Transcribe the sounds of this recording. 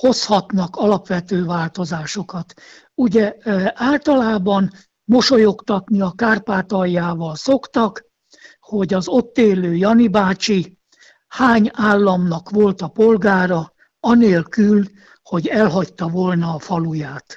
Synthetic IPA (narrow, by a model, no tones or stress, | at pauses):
ho̞shɒt̪nɒkɒlɒpʋɛt̪øːvaːlt̪o̞zaːʃo̞kɒt̪ | uɟɛʔaːlt̪ɒlaːbɒn | mo̞ʃo̞jo̞kt̪ɒt̪niɒkaːrpaːt̪ɒjːaːvɒlso̞kt̪ɒk | ho̞ɟɒzo̞t̪ːeːløːjɒnibaːt͡ʃi | haːɲaːlːɒmnɒkʋo̞lt̪ɒpo̞lɡaːɾɒ | ɒneːlkyl | ho̞ɟɛlɦɒct̪ɒvolnɒːfɒlujaːt̪